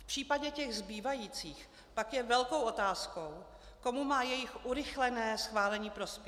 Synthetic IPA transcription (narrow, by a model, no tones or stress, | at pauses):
fpr̥iːpaɟɛcɛɣzbiːvajiːt͡siːx | pakjɛvɛlko̞wʔo̞t̪aːsko̞w | ko̞mumaːjɛjɪxʔuɾɪxlɛnɛːsxvaːlɛɲiːpɾo̞spjɛ